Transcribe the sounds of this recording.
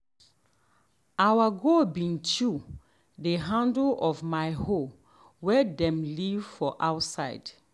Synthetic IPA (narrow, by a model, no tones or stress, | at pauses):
awaɡobĩntu | deɦãndəlɔvmajho | wɛdɛ̃mlivfɔʔawtsaɪd̥